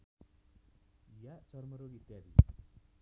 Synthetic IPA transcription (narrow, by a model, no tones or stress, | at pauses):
jat͡ʃɔɾməɾoɡit̪jaɾḭ